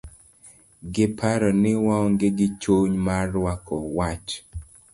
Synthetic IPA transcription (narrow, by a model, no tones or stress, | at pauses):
ɡɪpʰaɾɔnɪwaɔŋɡeɡɪt͡ʃoɲmaɾwakɔwat͡ʃ